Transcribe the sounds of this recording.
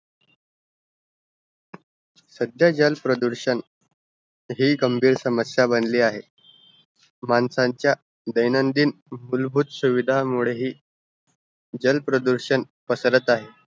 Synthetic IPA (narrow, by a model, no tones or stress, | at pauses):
səd̪jad͡ʑəlpɾəd̪uɾɕən | ɦiːɡəmbʱiːɾsəməsjabənliːaɦe | mansaɲt͡ɕja | d̪əjnənd̪iːn | mulbʱuːt̪suʋid̪ʱamuɭeɦiː | d͡ʑəlpɾəd̪uɾɕən | pəsəɾət̪aɦe